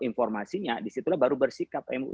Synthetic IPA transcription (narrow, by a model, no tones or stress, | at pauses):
infɔrmasiɲadisit̪ulahbaɾubərsikap̚ɛmṵ